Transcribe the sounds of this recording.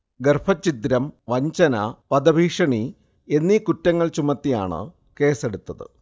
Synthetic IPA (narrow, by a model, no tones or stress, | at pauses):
ɡerfʰɐt͡ɕːit̪ɾɐmʋɐɲt͡ɕɐnɐpɐd̪ɐbʱiːʂɐɳi | e̞nːikutːɐŋːɐɭt͡ɕumɐt̪ːija̰ːɳɨ̰ | ke̞ːse̞ɽut̪ːɐðɨ̰